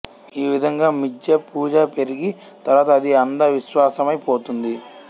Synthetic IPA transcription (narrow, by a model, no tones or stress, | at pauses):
iːʋid̪ʱɐŋɡaːmid͡ʒjɐpuːd͡ʒaːpe̞ɾiɡit̪ɐɾʋaːt̪ɐːd̪iɐnd̪ɐʋiʃʋaːsɐmɐjpo̞ːt̪und̪i